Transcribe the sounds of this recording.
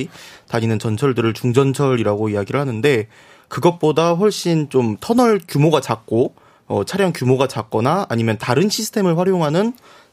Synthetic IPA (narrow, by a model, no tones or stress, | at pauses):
itaɲinɯnt͡ɕʌnt͡ɕʰʌɭdɯɾɯɭt͡ɕuŋd͡ʑʌnt͡ɕʰʌɾiɾaɡoiaɡiɾɯɭhanɯnde̞ | kɯɡʌt̚p͈odaɸwʌɭɕ͈int͡ɕomtʰʌnʌɭkjumoɡat͡ɕak̚k͈o | ʌt͡ɕʰaɾjʌŋkjumoɡat͡ɕak̚k͈ʌnaaɲimjʌntaɾɯnɕʰisʰɯ̥tʰe̞mɯɭɸwaɾjoŋɦanɯn